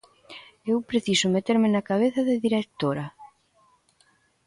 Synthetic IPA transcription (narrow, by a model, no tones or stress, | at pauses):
ewpɾeθisʊmet̪eɾmɪnɐkaβ̞eθɐðɪðiɾek̚t̪oɾɐ